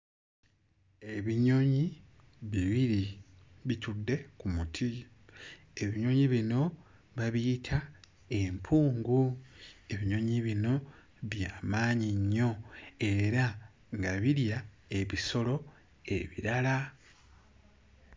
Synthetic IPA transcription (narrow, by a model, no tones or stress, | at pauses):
e̞βiɲo̞ɲi | βiβiɾi | βicudːe̞kumutʰi | e̞βiɲo̞ːɲiβino̞ | βaβiːtʰa | e̞mpʰuːŋɡue̞βiɲo̞ɲiβino̞ | βjaːmaːɲiɲːo̞e̞ɾa | ŋɡaβiɾja | e̞βiso̞lo̞ | e̞̰βḭɾala